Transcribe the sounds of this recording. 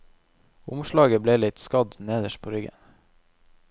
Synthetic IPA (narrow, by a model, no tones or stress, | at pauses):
ʊmʃlɑːɡəbleːlɪt̪skɑd̪neːd̪əʃpʰoːɾʏɡə̰n